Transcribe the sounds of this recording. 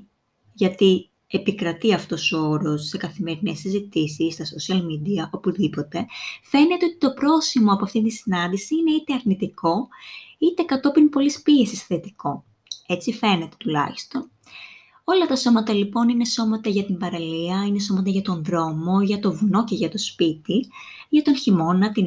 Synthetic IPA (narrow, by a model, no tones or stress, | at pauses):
ʝɐt̪i | e̞pikɾɐt̪iɐft̪o̞sooɾo̞sːe̞kɐθime̞ɾinesizit̪isisːt̪ɐsosiɐlmid̪iɐʔopuðipo̞t̪e̞fe̞ne̞t̪eo̞t̪i̥t̪o̞pɾo̞simo̞ɐpoɐft̪int̪isinɐnd̪isiine̞it̪e̞ɐɾnit̪iko̞it̪e̞kɐt̪o̞pinpo̞lispie̞sisθe̞t̪iko̞ | e̞t͡sife̞ne̞t̪e̞̥t̪ulɐ̰çi̥st̪o̞n | o̞lɐt̪ɐso̞mɐt̪ɐlipo̞nineso̞mɐt̪ɐʝɐt̪imbɐɾɐliɐine̞so̞mɐt̪ɐʝɐt̪o̞nðɾo̞mo̞ʝɐt̪o̞vno̞ceʝɐt̪o̞spit̪i | ʝɐt̪o̞nçimo̞nɐt̪i